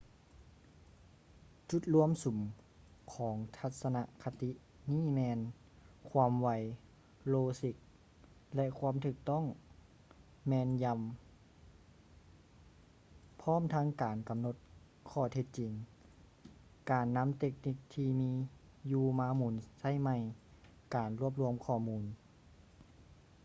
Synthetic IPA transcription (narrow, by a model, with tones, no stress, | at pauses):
t͡ɕu˧˦t̪̚lu˧əmsu˨˦m | kʰɔː˨˩˦ŋt̪ʰa˧t̪̚sa˧na˧ʔkʰa˧t̪i˧˦ʔ | niː˥˩˨mɛː˧n | kʰwaː˧mʋa˧˩j | loː˧si˧˩k̚ | lɛ˧ʔkʰwaː˧˥˨mt̪ʰɯː˧˩k̚t̪ɔ˥˩˨ŋ | mɛː˧nja˧m | pʰɔː˥˨mt̪ʰa˧˥ŋkaː˨˩nka˨˩mno˧˥t̪̚ | kʰɔː˧˩t̪ʰe˧˦t̪̚t͡ɕi˨˩ŋ | kaː˨˩nːa˧˥˨mt̪e˧k̚ni˧˩k̚t̪ʰiː˧miː˧˥ | juː˧maː˧muː˨˩nsa˧˥˩jma˧˩˨j | kaː˨nɾu˥˩əp̬̚lu˧əmkʰɔː˧˩muː˧˥n